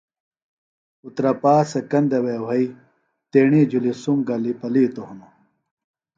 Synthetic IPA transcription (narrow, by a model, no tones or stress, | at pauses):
ut̪ɾɐpaːsɐkɐnd̪ɐweːwɐi | t̪eːɳid͡ʑulisumɡɐlipɐliːt̪ohunu